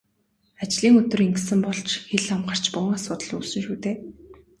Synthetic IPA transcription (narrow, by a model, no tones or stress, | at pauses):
at͡ɕɮiːŋɵt̪ɵ̆reŋksɘ̆mpɔɮt͡ɕxeɮamɢə̆r̥t͡ɕpʊ̆ŋasʊːt̪ə̆ɮuːsɵ̆ŋʃuːt̪eː